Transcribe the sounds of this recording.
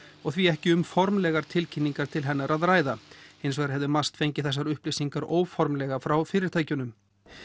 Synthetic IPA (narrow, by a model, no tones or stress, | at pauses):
ɔɣθviɛhcɪʏmfɔɾmlɛɣaɾ̥t̪ʰɪlcʰinːiŋkaɾ̥t̪ʰɪlɦɛnːaɾaðɾaːjðaejnsvɛɾɪ̥ɦɛvðɪmast̪fejɲcɪθɛsːaɾʏhplisiŋkaɾoːwfɔɾmlɛɣafɾawfɪːɾɪɾ̥t̪ʰaːjcʏnʏm